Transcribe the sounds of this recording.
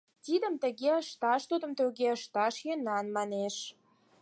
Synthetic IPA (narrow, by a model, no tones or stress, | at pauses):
t̪id̪ə̆mt̪ə̆ɣeəʃt̪ɑʃt̪ud̪ə̆mt̪əɣeəʃt̪ɑʃjønɑnmɑneʃ